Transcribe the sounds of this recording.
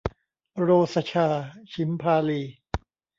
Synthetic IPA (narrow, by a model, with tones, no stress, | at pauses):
ɾoː˧sa˧t͡ɕʰaː˧t͡ɕʰi˨˦mpʰaː˧liː˧